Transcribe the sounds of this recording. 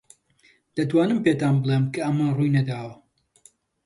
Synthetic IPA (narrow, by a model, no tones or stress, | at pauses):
d̪̥ɐt̪waːnɨmpet̪aːnbɨlˠemkʰɐɐmɐrujnɐd̪aːwɐ